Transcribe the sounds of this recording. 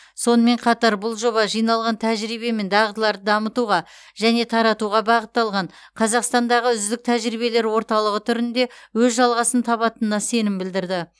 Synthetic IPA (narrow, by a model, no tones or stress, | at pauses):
so̞nəme̞ɴqʰɑt̪ɑɾbʊlˠʒo̞βɑʒijnɑlˠʁɑnt̪ʰæʒɾibe̞me̞nd̪ɑʁət̪əlˠɑɾd̪əd̪ɑmət̪uʁɑ | ʒ̥æne̞t̪ʰɑɾɑt̪uʁɑbɑʁət̪ːɑlˠʁɑɴ | qʰɑzɑqst̪ɑnd̪ɑʁəʏzd̪ɪk̚t̪ʰæʒɾiβe̞le̞ɾwo̞ɾt̪ɑlˠəʁət̪ʰʏɾɪnd̪e̞wɵzʒɑlˠʁɑsənt̪ʰɑβɑt̪ənənːɑse̞nɪmbɪld̪ɪɾd̪ɪ